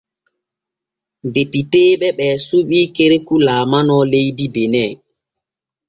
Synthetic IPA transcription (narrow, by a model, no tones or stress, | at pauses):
depiteːɓɛɓɛːsuɓiːkeɾekulaːmanɔlejdibenɛ